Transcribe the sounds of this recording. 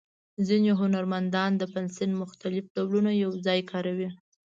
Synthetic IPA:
zineɦʊnaɾmand̪ɑnd̪əpɪnsɪnmʊxt̪alɪfɖawlunajawzɑjkɑɾawi

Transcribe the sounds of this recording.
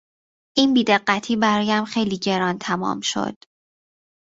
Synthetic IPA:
ʔiːnbiːd̪e̞ɢːæt̪ʰiːbæɾɒːjæmxe̞jliːɟe̞ɾɒːnt̪ʰæmɒ̰ːmʃo̞̰d̪̥

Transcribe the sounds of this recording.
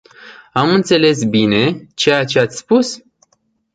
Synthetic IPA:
amɨnt̪se̞le̞sbine̞t͡ʃe̞jat͡ʃe̞at̪sʲspus

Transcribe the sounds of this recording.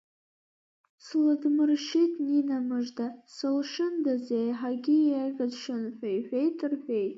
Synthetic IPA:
slɨdmɨrʃitʰʼninamɨʐdasɨlʂɨndazejħaɡʲɪaɡazʂɨnħʷᶣaiħʷᶣejtʼɨrħʷᶣejtʼ

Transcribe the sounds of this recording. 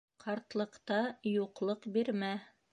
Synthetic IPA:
qʰɑɾt̪lˠɤ̆qt̪ɑjuqlˠɤqbiɾmæ

